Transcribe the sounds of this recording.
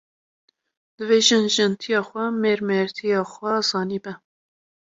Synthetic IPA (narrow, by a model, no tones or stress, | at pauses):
d̪̥ɨveːʒɨnʒɨnt̪ʰijɑːxʷɛmeːɾmɛɾt̪ʰijɑːxʷwɛzɑːniːbɛ